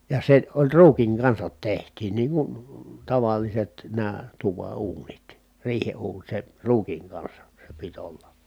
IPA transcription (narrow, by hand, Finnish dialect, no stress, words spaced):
jɑ se olʲ ruːkiŋ kɑnsɑt tehtˑiːn niːŋ kun tɑʋɑlˑiset næː tuʋɑ uːnit riːhe uːn se ruːkiŋ kɑnsɑ se pit olːɑ